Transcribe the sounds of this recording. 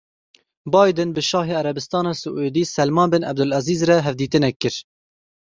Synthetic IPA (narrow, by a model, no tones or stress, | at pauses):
bɑːjd̪ɨnbɨʃɑːɦeːæɾɛbɨst̪ɑːnɑːsɨʔeːd̪iːsɛlmɑːnbɨnʔɛ̰b̚d̪ʊlɛziːzrɛɦɛvd̪iːt̪ɨnɛkːɨɾ